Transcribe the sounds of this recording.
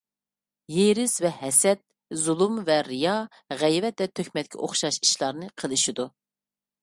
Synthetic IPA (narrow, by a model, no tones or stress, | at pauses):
jeɾɪzvɛhɛsɛt̪̚ | zulˠumvɛɾɨjɑ | ʁɛjvɛt̪̚d̪ɛt̪ʰøkʲmɛt̪̚kʲʰɛ̰ʔo̰χʃɑʃi̥ʃlˠɑɾnɨqʰəlˠɨʃid̪u